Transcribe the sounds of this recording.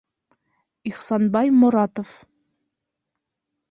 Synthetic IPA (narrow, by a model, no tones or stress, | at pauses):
iχsɑnbɑjmŏɾɑt̪of